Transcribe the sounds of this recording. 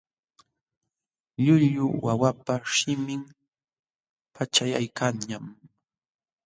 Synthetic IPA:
ʎʊʎʊwawapaʃɪmɪŋ | pʰat͡ʃajajkaŋɲam

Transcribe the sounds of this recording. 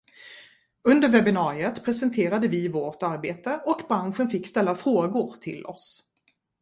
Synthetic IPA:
ɵnd̪əɾvɛbɪnɑːɾɪət̪pʰɾɛsɛnt̪ʰeːɾad̪əvɪvoːʈaɾbeːt̪əɔkbɾanɧənfɪkːst̪ɛlːafɾoːɡʊɾt̪ʰɪ̰lɔ̰s

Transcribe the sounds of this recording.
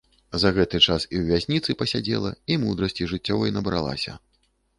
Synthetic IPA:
zɐɣɛt̪ɨt͡ʂasiwvʲasʲnʲit̪sɨpɐsʲad͡zʲḛlˠɐ̰imud̪ɾɐsʲt͡sʲiʐɨt͡sʲːɔvɐjnɐbɾa̰lˠa̰sʲɐ̰

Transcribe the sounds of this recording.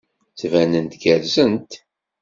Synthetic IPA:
t͡svænənt̪ɡæɾzənt̪

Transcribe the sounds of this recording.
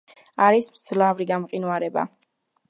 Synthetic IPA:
aɾismd̪z̥lavɾiɡamqʼinuaɾɛba̰

